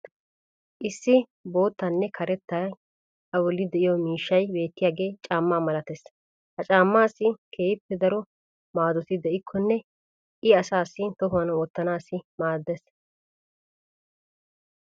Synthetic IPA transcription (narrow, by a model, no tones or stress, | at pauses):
ʔɪsːɪ | bo̞ːt̪ːɐnːɛkʰɐɾɛt̪ːa | ɐwɔlːɪd̪ɛʔɪjɔmiːʃːɐjbe̞ːt̪ːɪjaːɡe̞ːt͡ʃʼaːmːaːmɐlɐt̪ɛs | hɐt͡ʃʼaːmːaːsːɪkʰe̞ːɪpːɛd̪ɐɾɔ | maːd̪ɔt̪ɪd̪ɛʔɪkʰːɔnːɛ | ʔɪɐsaːsːɪt̪ɔɦʊwɐnwɔt̪ːɐnaːsːɪmaːd̪ːɛs